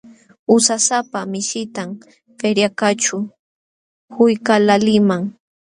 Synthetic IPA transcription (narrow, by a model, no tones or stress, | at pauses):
ʊsasapamɪʃɪt̪am | peɾjakat͡ʃʊ | hʊjkalalɪmaŋ